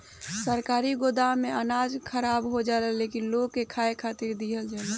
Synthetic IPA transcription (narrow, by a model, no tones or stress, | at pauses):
səɾkaːɾiɡod̪aɦmeənad͡ʒkʰəɾabɦod͡ʒaləlekinloɡkːekʰaekʰat̪iɾd̪iɦəld͡ʒale